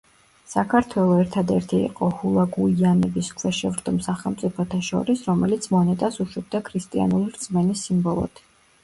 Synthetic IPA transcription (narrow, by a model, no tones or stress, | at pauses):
sakʰaɾt̪ʰwɛlˠɔɛɾt̪ʰad̪ɛɾt̪ʰḭːqʼɔhulˠaɡuianɛbiskʰwɛʃɛvɾd̪ɔmsaχɛlˠmt̪sʼipʰɔt̪ʰaʃɔ̰ɾisɾɔmɛlit̪sʰmɔnɛt̪ʼasuʃwɛb̚d̪akʰɾist̪ʼia̰nuliɾd̪z̥ʼmɛnisːimbɔlˠɔ̰d̪ʰ